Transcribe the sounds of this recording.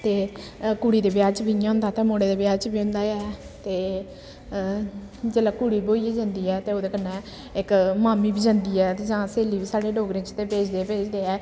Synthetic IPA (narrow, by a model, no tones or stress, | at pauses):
t̪eːkuːɽiːd̪eːbjaːt͡ʃbʱijãːɦʊ̃nd̪aːt̪ãːmoːɽeːd̪eːbjaːt͡ʃbʱiːʊ̃nd̪aːɛː | t̪eː | d͡ʒeːlaːkuːɽiːboːiːed͡ʒə̃ːnd̪iːɛːt̪eːoːd̪eːkənːɛ̃ː | ɪkmaːmiːbiːd͡ʒãnd̪iːɛːd͡ʒãːseːliːbiːsaːɽeːɖoːɡɾẽːt͡ʃt̪eːpeːd͡ʒd̪eːbeːd͡ʒd̪eːɛː